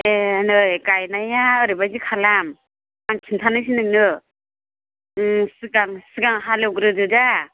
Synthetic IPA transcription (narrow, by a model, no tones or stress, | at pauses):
enɯjkajnajaɯɾɯbazikʰalam | aŋkʰintʰanɯs̬inɯŋnɯ | sɯkaŋsɯɡaŋɦalewɡɾɯdɯda